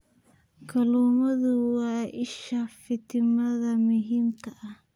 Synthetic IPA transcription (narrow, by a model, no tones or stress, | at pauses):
kʰɐluːmɐðʊwɑːɪʃafɪt̪ʰɪmɐðɐmʊɦiːmt̪ʰɐʔɐh